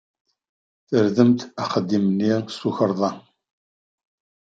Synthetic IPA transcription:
θəɾðəmt̪æχəd̪ːimənːisuçəɾˤðˤɑ

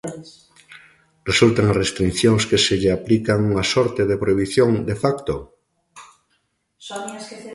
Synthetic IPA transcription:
result̪eŋrest̪ɾinθjonskeseʎeaplikaŋuŋasoɾt̪eð̞epɾoiβ̞iθjõŋd̪efakt̪o

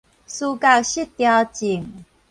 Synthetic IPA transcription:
sukakɕit̪ːjat͡ɕiŋ

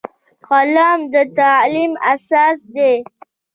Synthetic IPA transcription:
xalɑmd̪ət̪alimasɑːsd̪e

